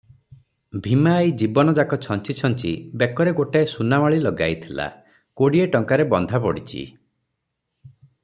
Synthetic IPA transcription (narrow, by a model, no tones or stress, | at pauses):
bʱimaːjd͡ʒibɔnɔd͡ʒakɔt͡ʃʰɔnt͡ʃit͡ʃʰɔnt͡ʃḭbekɔɾeɡoʈesunamaɭilɔɡa̰jt̪ʰila̰ | koɽieʈɔŋkaɾebɔnd̪ʱapɔɽit͡ʃʰḭ